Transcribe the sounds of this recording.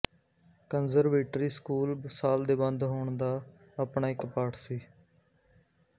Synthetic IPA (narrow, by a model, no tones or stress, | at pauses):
kənzəɾʋeːʈɾiːskuːlsaːld̪eːbənd̪ɦoːɳd̪aː | aːpɳaːɪkpaːʈsiː